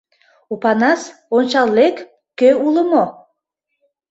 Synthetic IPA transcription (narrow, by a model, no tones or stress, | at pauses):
upɑnɑsonʲt͡ɕɑlˠːekː | øuləmo